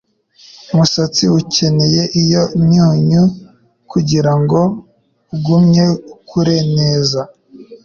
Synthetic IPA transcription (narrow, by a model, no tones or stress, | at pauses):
umusat͡siwuce̞ne̞je̞ʔijomɲuːɲu | kuɟiɾaŋɡo̞ | uɡumɲe̞kʰuɾe̞neːza